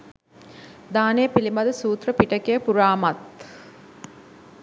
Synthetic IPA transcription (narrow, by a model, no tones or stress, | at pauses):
d̪aːnejːpilimɐd̪əsuːt̪rəpiʈəkejəpuɾaːmɐt̪